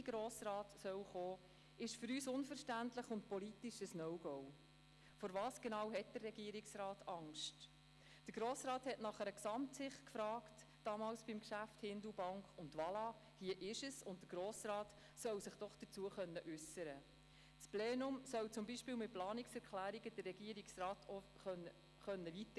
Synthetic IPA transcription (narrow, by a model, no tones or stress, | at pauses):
ɡɾoːsɾɑːtsœwχoː | ɪʃfʏɾyːsʊnfəɾʃtæntləχʊnt̚pɔlitiʃəsnɔʊɡ̥ɔw | fɔɾvɑːsɡ̥enɑwɦɛt̚d̥ərːɛɡiəɾiksɾɑːtʰɑŋʃt | d̥əɾɡ̥ɾoːsɾɑːthɛtnɑχəɾəksɑmtsɪχtkfɾɑːkt | d̥ɑmɑːlsb̥imkʃæfthɪndubɑŋkʊndʋɑlɑ | hiːəʔɪʃəsʊnt̚dəɾɡ̥ɾoːsrɑːt | sœwsɪχd̥ɔχd̥ət͡suəχœnːəʔʉsəɾə | spleːnʊmsœwt͡sʊmbiʃpɪːlmɪt̚plɑːniksɛɾkχlæːɾiɡəd̥ərːɛɡ̥iəɾiksɾɑːtʰɔ | χœnə | χœnːəvitə